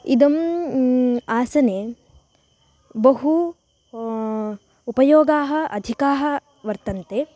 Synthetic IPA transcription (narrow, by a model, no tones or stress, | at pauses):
id̪ɐm | aːsɐne | bɐɦu | upɐjoːɡaːɦɐ̆ʔɐd̪ʱikaːɦɐ̆ | ʋɐɾt̪ɐnt̪e